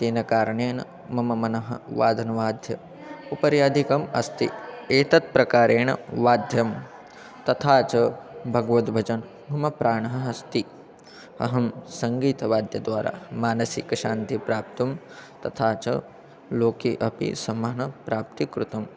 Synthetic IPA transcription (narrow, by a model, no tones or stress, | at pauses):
t̪eːnɐkaːɾɐɳeːnɐ | mɐmɐmɐnɐɦɐ̰ʋaːd̪ʱɐnɐʋaːd̪ʱjɐ̰ | upɐɾjaːd̪ʱikɐmɐ̰st̪ḭeːt̪ɐt̪̚pɾɐkaːɾeːɳɐʋaːd̪ʱjɐm | t̪ɐt̪ʰaːt͡ʃɐbʱɐɡʋɐt̪bʱɐd͡ʒɐn | bʱɐmɐpɾʔaːɳɐɦɐɦɐst̪i | ɐ̰ɦɐmsɐŋɡiːt̪ɐʋaːd̪ʱjɐd̪ʋaːɾa̰ːmaːnɐsikɐʃaːnt̪ipɾaːp̚t̪ɐm | t̪ɐt̪ʰaːt͡ʃɐ̰ | loːkiʔɐpḭsɐmɐɳɐpɾaːp̚t̪ikɾut̪ɐm